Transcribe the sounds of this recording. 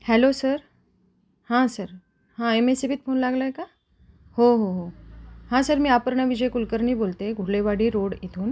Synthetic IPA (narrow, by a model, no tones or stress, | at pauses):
hɛlosəɾ | hãsəɾ | hãemesebiːt̪̚fʰonlaɡləeka | hɦoɦoɦohãsəɾmiːapəɾɳaʋid͡ʑəjkulkəɾniːbolt̪eɡʱuɽleʋaɽiːɾoɽit̪ʰuːn